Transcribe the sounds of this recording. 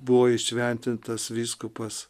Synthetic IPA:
bʊʋoːɪʃʲʋʲɛnʲt̪ʲɪnt̪ɐsʋʲiːskʊpɐs

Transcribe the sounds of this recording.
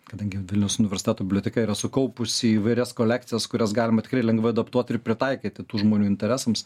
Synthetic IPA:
kɐd̪ɐŋʲɡʲɪʋʲɪlʲnʲɛʊsʊnʲɪʋʲɛɾʲsʲɪt̪ʲæːt̪obɪblʲoːt̪ʲɛkɐiːɾɐsʊkɐʊpʊsʲiiːʋɐɪɾʲɛskoːlʲæːk̚t̪sʲɪjɛskʊɾʲɛsɡɑːlʲɪmɐt̪ʲɪkrɐɪlʲɛŋɡʋɐɪɐd̪ɐpt̪uɔt̪ʲɪɾpʲɾʲɪt̪ɐɪkʲɪːt̪ʲɪt̪uːʒmoːnʲuːɪnʲt̪ʲɛɾʲæːsɐms

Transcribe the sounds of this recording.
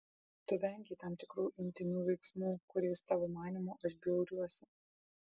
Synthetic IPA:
t̪ʊʋʲɛŋʲɡʲɛɪt̪ɑmt̪ʲɪkɾuːʔɪnʲt̪ʲɪnʲuːʋʲɛɪksmuːkʊɾʲɛɪst̪ɑːʋoːmɑːnʲiːmoːʔɐʃbʲɛʊɾʲuɔsʲɪ

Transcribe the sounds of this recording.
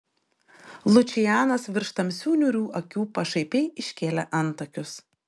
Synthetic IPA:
lˠʊt͡ʃʲɪjæːnɐsʋʲɪɾʃt̪ɐmʲsʲuːnʲʊɾʲuːʔɐkʲuːpɐʃɐɪpʲɛɪɪʃʲkʲeːlʲɛʔɐnˑt̪ɐkʲʊs

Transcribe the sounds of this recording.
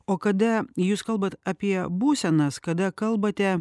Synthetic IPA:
oːkɐd̪ɐjuːskɐlˠbɐt̪ɐpʲiɛbuːsʲɛnɐskɐd̪ɐkɐlˠbɐt̪ʲɛ

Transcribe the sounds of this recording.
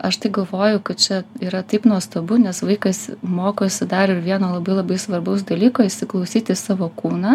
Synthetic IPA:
ɐʃt̪ɐɪɡɐlˠʋoːjʊkɐt̪̚t͡ʃʲɛiːɾɐt̪ɐɪpnuɔst̪obʊnʲɛsʋɐɪkɐsmoːkosʲɪd̪ɑːɾʲoɪɾʋʲiɛnoːlˠɐbɐɪlˠɐbɐɪsʋɐrbɐʊsd̪ɐlʲiːkoːɪʃʲsʲɪklˠɐʊsʲiːt̪ʲɪsɑːʋoːkuːnɑ

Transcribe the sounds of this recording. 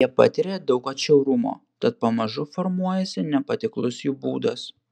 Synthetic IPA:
iɛpɑ̰t̪ʲɪɾʲeːd̪ɒʊkɐt̪t͡ʃʲɛʊɾʊmo̰ːt̪ɐt̪̚pɐmɐʒʊfɔɾmuɔjɛsʲɪnʲɛpɐt̪ʲɪklˠʊsjuːbuːd̪ɐs

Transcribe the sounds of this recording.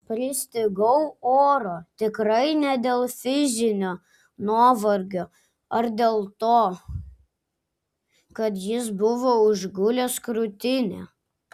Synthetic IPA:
pʲɾʲɪsʲt̪ʲɪɡɐʊoːɾoːt̪ʲɪkɾɐɪnʲɛd̪ʲeːlˠfʲɪzʲɪnʲoː | nuːʋɐɾʲɡʲoː | ɐɾd̪ʲeːlˠt̪oː | kɐt̪jɪsbʊʋoːʊʒɡʊlʲɛskɾʊt̪ʲɪnʲḛː

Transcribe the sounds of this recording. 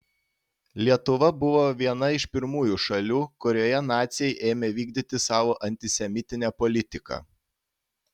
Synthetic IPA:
lʲiɛt̪ʊʋɐbʊʋoːʋʲiɛnɐɪʃpʲɪɾmuːjuːʃɐlʲuːkʊɾʲoːjɛnɑːt̪sʲjɛɪʔeːmʲeʋʲiːɡd̪ʲit̪ʲɪsɑːʋoːʔɐnʲt̪ʲɪsʲɛmʲɪt̪ʲɪnʲɛpɔlʲɪt̪ʲɪkɑ̰

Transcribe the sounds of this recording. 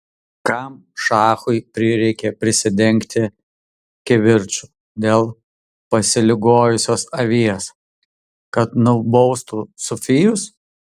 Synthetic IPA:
kɐm | ʃɑːxʊɪpʲɾʲɪɾʲɛɪkʲɛpʲɾʲɪsʲɪd̪ʲɛŋʲkt̪ʲɪ | kʲɛʋʲɪɾʲt͡ʃʲʊ | d̪ʲeːlˠ | pɐsʲɪlʲɪɡoːjʊsʲoːsɐʋʲiɛs | kɐt̪nʊbɔʊst̪usʊfʲɪjʊs

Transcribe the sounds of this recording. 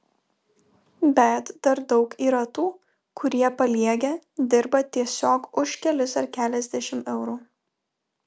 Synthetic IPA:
bʲɛt̪d̪̥ɐɾd̪ɒʊkiːɾɐt̪uː | kʰʊɾʲiɛpɐlʲiɛɡʲed̪ʲɪɾbɐt̪ʲiɛsʲoːkʊʃkʲɛlʲʊsɐɾkʲæːlʲɛzʲd̪ʲɛʃʲɪmɛʊɾuː

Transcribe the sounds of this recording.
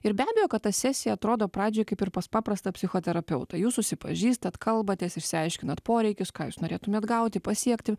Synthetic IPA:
ɪɾbʲæːbʲɛjoːkɐt̪t̪ɐsʲæːsʲɪjɛɐt̪ɾoːd̪oːpɾɑːd͡ʒʲoːjkɐɪpɪɾpɐspɑːpɾɐst̪ɐpʲsʲɪxoːt̪ʲɛɾɐpʲɛʊt̪ɐjuːssʊʃsʲɪpɐ̰ʒʲiːst̪ɐt̪kʰɐlˠbɐt̪ʲeːsɪrsʲɪɐɪʃʲkʲɪnɐt̪poːɾʲɛɪkʲʊskɑːjuːsnoːɾʲeːt̪ʊmʲeːt̪ɡɐʊt̪ʲɪpɐsʲiɛkt̪ʲɪ

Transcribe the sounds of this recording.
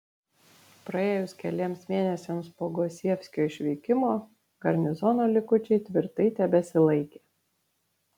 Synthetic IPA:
pɾɐeːjʊskʲɛlʲeɛmsmʲeːnʲɛsʲɛmspoːɡoːsʲiɛfʲsʲkʲoːɪʃʲʋʲɛɪkʲɪmoː | ɡɐɾʲnʲɪzɔnoːlʲɪkʊt͡ʃʲɛɪt̪ʲʋʲɪɾt̪ɐɪt̪ʲɛbʲɛsʲɪlˠɐɪkʲeː

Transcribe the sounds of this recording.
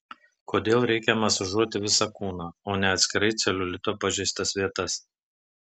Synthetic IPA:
koːd̪ʲeːlˠɾʲɛɪkʲɛmɐsʊʒuɔt̪ʲɪʋʲɪsɑkuːnɑːoːnʲɛɐt̪ʲsʲkʲɪɾɐɪt̪sʲɛlʲʊlʲɪt̪oːpɐʒʲɛɪst̪ɐsʋʲiɛt̪ɐs

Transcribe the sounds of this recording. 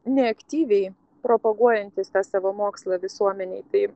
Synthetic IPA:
nʲɛɐkt̪ʲiːʋʲɛɪ | pɾoːpɐɡuɔjɛnʲt̪ʲɪst̪ɑːsɑːʋoːmoːkslˠɑʋʲɪsuɔmʲɛnʲɛɪt̪ɐɪ

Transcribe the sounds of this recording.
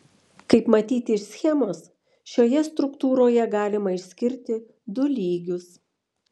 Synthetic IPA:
kɐɪpmɐt̪ʲiːt̪ʲɪɪʃʲsʲxʲɛmoːs | ʃʲoːjɛst̪ɾʊkt̪uːɾoːjɛɡɑːlʲɪmɐɪʃʲsʲkʲɪɾʲt̪ʲɪ | d̪ʊlʲiːɡʲʊs

